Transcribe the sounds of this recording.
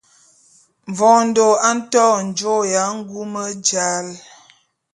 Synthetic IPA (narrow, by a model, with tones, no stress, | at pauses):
ɱ˨vɔ̃˨n̩˦do˨a˦n̩˦tɔ˦˨n̩˨d͡ʒo˦ja˨˦ŋ̩˦ɡu˦mə˦d͡ʒa˦l